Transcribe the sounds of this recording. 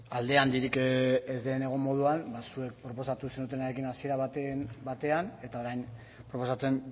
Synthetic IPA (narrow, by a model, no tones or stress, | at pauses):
ald̪e̞and̪iɾikezd̪e̞ne̞ɣ̞o̞mo̞ð̞uanbasue̞k̚pɾo̞po̞sat̪use̞nut̪̬e̞naɾekinasie̞ɾaβat̪enbat̪e̞ane̞t̪ao̞ɾajn | pɾo̞po̞sat͡se̞n